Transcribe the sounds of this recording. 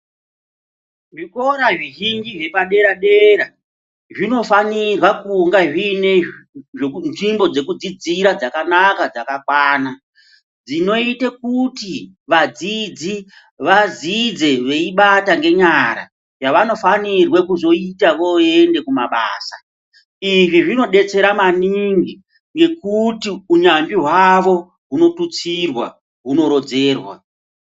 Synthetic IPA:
ʐiko̞ɾaʐiɦiŋɡiʐe̞paɗe̞ɾaɗeɾa | ʐino̞fanirwakuŋɡaʐineʐenʐimbo̞d͡ze̞kud͡zid͡ziɾad͡zakanakad͡zakakwaːna | d͡zino̞itekuti | ʋad͡zid͡zi | ʋazid͡ze̞ʋe̞iɓataŋɡe̞ɲaɾa̰ | jaʋano̞fanirwekuzo̞itaʋoende̞kumaɓa̰ːsa | iʐiʐino̞ɗe̞t͡se̞ɾamaniŋɡi | ŋɡe̞kutiuɲambiɦwaʋo̞ | ɦuno̞tut͡sirwa̰ | ɦuno̞ɾo̞d͡ze̞ːrwa̰

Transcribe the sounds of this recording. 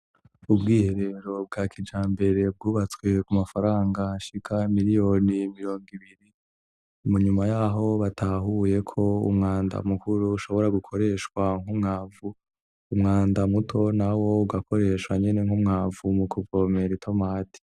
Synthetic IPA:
ubɡiːhe̞ɾe̞ɾo̞b̚ɡaːkʰid͡ʒaːmbe̞ɾe̞b̚ɡuːβat͡swe̞kumafaɾaːŋɡaʃikʰamiɾijo̞nimiɾo̞ːŋɡiβiɾi | muɲumajaːɦo̞βatʰaɦuje̞kʰo̞ṵmŋaːnda̰mukʰuɾuːʃo̞βo̞ɾaɡukʰo̞ɾe̞ʃkwaŋ̥humŋaːvuː | mŋaːndamutʰo̞nawo̞uɡako̞ɾe̞ʃwaɲene̞ŋ̥humŋaːvumukʰuvo̞me̞ɾitʰo̞maːti̥

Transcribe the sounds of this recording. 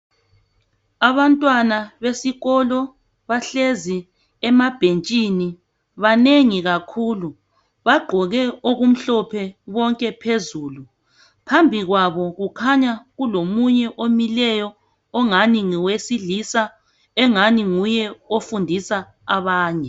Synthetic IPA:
aβantʼwanaβesiɣɔlɔ | βaɬezi | ɛmab̥ʱent͡ʃʼini | βaneŋiɣakʰuːlu | βaɡ͡ǃʱɔɣɛoɣum̩ɬɔpʰɛβɔŋkʼɛpʰezuːlu | pʰambʱiɣwaβɔɣukʰaɲaɣulomuɲɛʔomilɛjɔː | ŋaniŋiwesilisa | ɛŋaniŋujɛofundʱisaː | βaːɲɛ

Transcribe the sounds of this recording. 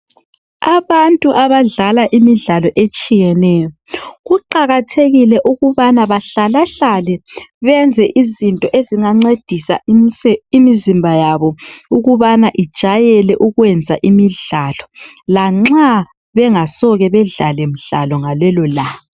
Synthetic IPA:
aβantʼuʔaβaɮalaʔimiɮalɔʔet͡ʃʼijɛnɛjɔɣuǃaɣatʰeɣilɛʔuɣuβanaβaɬalaɬalɛβɛnd͡zʱɛʔizintʼɔʔeziŋaŋ͡ǀed̥ʱisa̰ɛimizimbʱajaβɔuɣuβanaʔid̥ʒ̥ʱajɛlɛʔuɣwɛnd͡zʱaʔimiɮalɔlaŋ͡ǁa | βɛŋasɔɣɛβɛɮa̰lɛm̩ɮa̰lɔŋalɛlɔlaː

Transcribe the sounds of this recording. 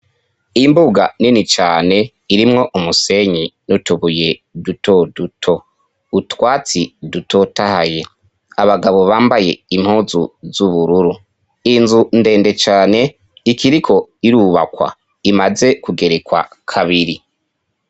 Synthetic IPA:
imbuɡaninit͡ʃaːne̞ | iɾimŋo̞ʔumuse̞ɲinutuβuje̞dutʰo̞dutʰo̞ | utwaːt͡sidutʰo̞tahaje̞ | aβaɡaβo̞βaːmbaje̞̰im̥huzuzuβuɾuɾu | inzunde̞ːnde̞t͡ʃaːne̞ | ikʰiɾikʰo̞iɾuːβa̰kwa̰ | imaze̞kuɡe̞ɾekwa̰kʰaβiɾi

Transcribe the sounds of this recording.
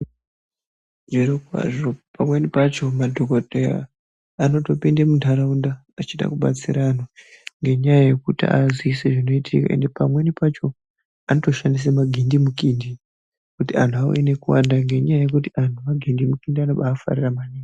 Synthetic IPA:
ʐirikwa̰ʐo̞pamwe̞nipat͡ʃo̞madʱo̞kotea̰ː | no̞to̞pindemundʱaɾaundaːt͡ʃiɗa̰kuɓa̰t͡sḭɾanoŋɡe̞ɲajaje̞kutḭa̰ziseʐino̞itʰḭka̰ʔe̞̰nde̞pamwe̞nipat͡ʃo̞ | anoto̞ʃandis̬emaɡʱindimukindi | kutiantʰuawḛne̞kuwa̰ndaŋɡe̞ɲajaje̞kut̬iantumaɡʱindimukindianoɓaːfa̰riramaniŋɡ

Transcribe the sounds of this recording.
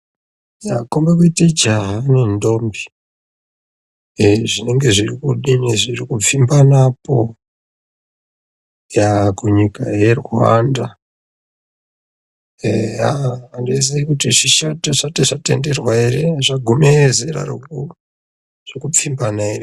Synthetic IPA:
jakombekited͡ʒaɦanendo̞ːmbi̥ | ʐine̞ŋɡe̞ʐirikuɗiniʐirikup͡fimbanapo̞ | jakuɲikaje̞rwwa̰nda | aːndes̬aikutiʐiʃateʐateʐate̞̰nde̞rwaireʐaɡʱumezeɾa̰ro̰ku | ʐ̥ekup͡fimbanaere

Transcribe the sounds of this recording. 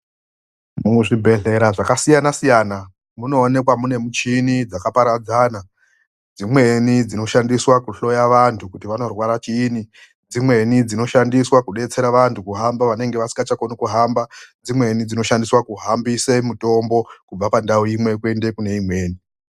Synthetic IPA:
muʐibʱe̞ɮe̞ɾaʐakasijanasijana | muno̞ːne̞kwamune̞mut͡ʃinid͡zakapaɾad͡zana | d͡zimwe̞nid͡zino̞ʃandiswakuɬo̞jaʋantʰukutiʋano̞rwaɾat͡ʃiːni | d͡zimwe̞nid͡zino̞ʃandiswakuɗe̞t͡se̞ɾaʋantʰukuɦambaʋane̞ŋɡe̞ʋasiŋɡat͡ʃakonukuɦambad͡zimwe̞nid͡zino̞ʃandiswakuɦambisemuto̞mbo̞kub͡vapandaoimwe̞kwe̞nde̞kune̞imwe̞ːni

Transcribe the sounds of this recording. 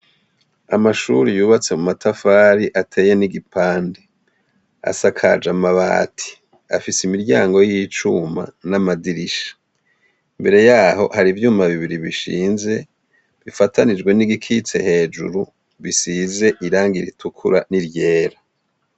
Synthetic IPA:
amaʃuɾijuːβat͡se̞mumatʰafaːɾiʔatʰe̞ːje̞niɡipʰaːnde | a̰sakʰa̰d͡ʒamaβa̰ːtʰi̥ | a̰fisimiɾɟaːŋɡo̞jijit͡ʃuma̰namadiɾiʃḁ | imbe̞ɾe̞jaːho̞̰haɾivjuːmaβiβiɾiβiʃḭːnze̞ | βifatanid͡ʒɡwe̞niɡikʰit͡se̞̰he̞ːd͡ʒṵɾu | βisize̞ʔiɾaːŋɡiɾitʰukʰuɾaniɾɟe̞ːɾa

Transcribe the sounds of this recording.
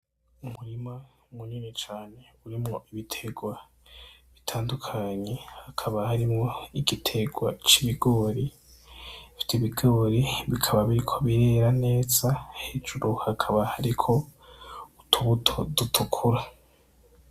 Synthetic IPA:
umuɾima | muɲinet͡ʃaːne̞ | uɾimŋo̞ʔiβitʰe̞ɡwa | βitʰaːndukʰaɲe̞hakʰaβahaɾimŋo̞iɡitʰe̞ɡwat͡ʃiβiɡo̞ːɾi | fi̥tiβiɡo̞ːɾiβikʰaβaβiɾikʰoβiɾe̞ɾane̞ːzaheːd͡ʒuɾuhakʰaβahaɾikʰo̞ | utʰuβutʰo̞dutʰukʰuɾa

